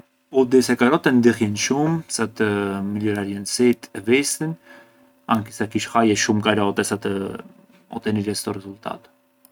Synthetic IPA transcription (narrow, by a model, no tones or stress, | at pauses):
ɔd̪is̬ɛkaɾɔt̪ɛnd̪ihjɛnʃumsat̪əmilɔɾaɾiɛnsit̪ʰɛvist̪ən | aŋkisɛkiʃhajɛʃumkaɾɔt̪ɛsat̪ə | ɔ̰t̪ɛniɾɛst̪ɔrɛzult̪ʰa̰t̪